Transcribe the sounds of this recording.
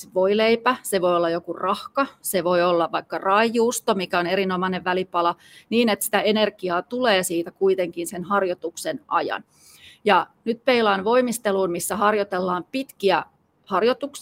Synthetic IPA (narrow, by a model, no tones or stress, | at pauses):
ʋoileipæseʋojolːɑjokurɑhkɑseʋojolːɑʋɑikːɑrɑijuːst̪omikæoneɾinomɑineʋʋælipɑlɑ | niːnet̪si̥t̪æenerɡ̥iɑːt̪uleːsiːt̪ækuit̪eŋkinsenɦɑrjot̪uksenʔɑ̰jɑ̰n | jɑnyt̪̚peilɑːnʋo̞imist̪eluːnmisːæɦɑrjot̪elːɑːmpit̪kiæ | hɑrjot̪uks